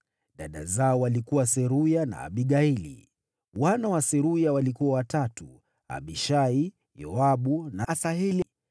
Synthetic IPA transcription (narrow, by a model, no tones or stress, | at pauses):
ɗaɗa̰zaɔwalikuwasɛɾujana̰ːɓiɠailḭ | wanawasɛɾujawalikuwawatatu | a̰ɓiʃai | jɔ̰aɓunasaɦili